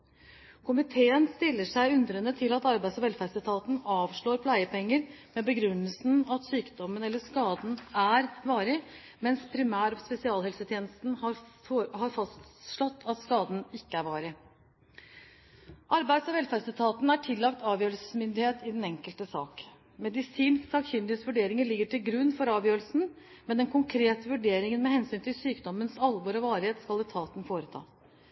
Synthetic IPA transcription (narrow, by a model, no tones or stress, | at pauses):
kʰʊmɪt̪ʰeːənst̪ɪlːəʂæɪʉnd̪ɾənət̪ʰɪlɑt̪ɑɾbæɪsɔʋɛlfæsət̪ʰɑːt̪n̩ɑːʋʂɭoːɾpʰlæɪəpɛŋːəɾmɛbəɡɾʉnːəlsn̩ɑt̪syːkd̪ɔmːənɛlːəʂkɑːd̪n̩æɾʋɑːɾɪ | mɛnspʰɾɪmæːɾɔspɛsɪɑːlɛlsət̪ʰjeːnəst̪nhɑhɑɾfɑst̪ʂɭɔt̪ːʰɑt̪skɑːd̪n̩ɪkːəæɾʋɑːɾɪ | ʔɑɾbæɪd̪sɔʋɛlfæːɖsət̪ʰɑːt̪næʈʰɪlːɑkt̪ʰɑːʋjøːɾəlsə̥smʏnd̪ɪheːt̪ɪd̪ɛnɛŋkəlt̪əsɑ̰ːk | mɛd̪ɪsiːnsksɑkçʏnd̪ɪet̪sʋʉɖeːɾɪŋəɭɪɡːəʈʰɪlɡɾʉnːfɔɾɑːʋjøːɾəlsn̩ | mɛnd̪ɛnkʰʊŋkʰɾeːt̪əʋʉɖeːɾɪŋənmɛhɛnsyːnt̪ʰɪlsyːkd̪ɔmənsɑlʋɔɾɔʋɑːɾɪheːt̪skɑlɛt̪ʰɑːt̪nfoːɾət̪ʰɑ̰ː